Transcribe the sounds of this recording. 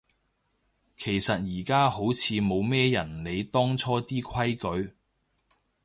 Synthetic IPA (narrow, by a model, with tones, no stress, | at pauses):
kʰe˨˩jsɐ˨t̚jiː˨˩kaː˥ho˨˥wt͡sʰiː˨˧mo˨˧wmɛː˥jɐ˨˩nle˨˧jt̪ɔː˥ŋt͡sʰɔː˥t̪iː˥kʰɐ˥jkɵ˨˥ɥ